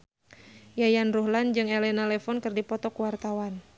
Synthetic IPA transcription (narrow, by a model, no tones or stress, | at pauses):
jajanruhland͡ʒɨŋɛlɛnalɛfɔnkɨrdipɔt̪ɔkuwart̪awan